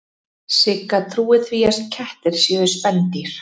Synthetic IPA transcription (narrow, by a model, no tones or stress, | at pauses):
sɪkːat̪ʰɾuːɪθviːjast̪̚cʰɛht̪ɪɾ̥sjɛːðʏspɛnt̪iɾ̥